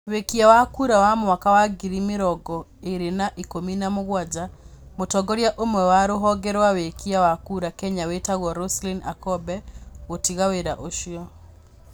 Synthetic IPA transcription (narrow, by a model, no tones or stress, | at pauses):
wekiawakuɾawamwakawaɡiɾimeɾɔɡɔ | eɾenaʔikominamoɣwad͡ʒamotɔɡɔɾjaʔomwɛwaɾoɦɔɡɛɾwawekiawakuɾakɛɲawetaɣɔɾoslina̰kɔbɛotiɣaweɾaʔoʃiɔ